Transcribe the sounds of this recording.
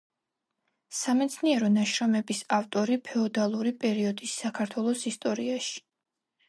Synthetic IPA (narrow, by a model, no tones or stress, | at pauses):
samɛt̪sʰniɛɾɔnaʃɾɔmɛbisaft̪ʼɔɾipʰɛɔd̪alˠuɾipʼɛɾiɔd̪isːakʰaɾt̪ʰwɛlˠɔsist̪ʼɔɾiaʃi̥